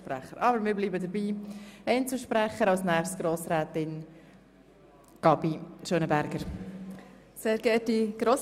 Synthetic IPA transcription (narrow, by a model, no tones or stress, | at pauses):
pɾæχəɾʔɑbəɾmɪːɾbliːbəd̪əɾbiːɛɪnt͡suʃpɾæχəɾɑwsnɛːχstɡ̥ɾoːsɾɛːt̪ɪn | ɡ̥ɑbiʃøːnəbæɾɡəɾ | seːɾɡɛːt̚diɡ̥ɾoːs